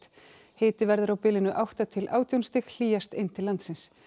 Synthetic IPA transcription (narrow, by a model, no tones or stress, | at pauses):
t̪ | heːjt̪ɪvɛɾðʏɾawpɪlɪnʏʔawht̪at̪ʰɪlʔa̰ːwt̪ʰjownst̪ɪxl̥iːjast̪ɪnːt̪ʰɪlːant̪sɪns